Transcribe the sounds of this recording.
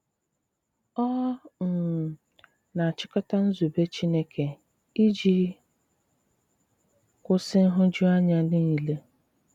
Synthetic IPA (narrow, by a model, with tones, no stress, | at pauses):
ɔ˦n̩˨ | na˨a˨t͡ʃɪ˦kʊ˦ta˦n̩˦zu˨be˦t͡ʃi˦ne˦kʰe˨ | i˦d͡ʒi˦ | kʊ˦sɪ˦n̩˦ɦʊ˦d͡ʒu˦a˦ɲa˦dɪ˦ni˨le˦